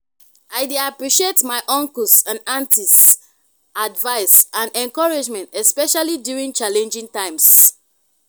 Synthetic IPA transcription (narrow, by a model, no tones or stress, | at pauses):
aɪdeapɹiʃietmaɪʔɔ̃ŋkəsãnãntis | advaɪsãnɛ̃nkɔɹad͡ʒmɛ̃ntɛspɛʃalidjuɹĩŋt͡ʃalɛ̃nd͡ʒĩŋtãɪ̃ms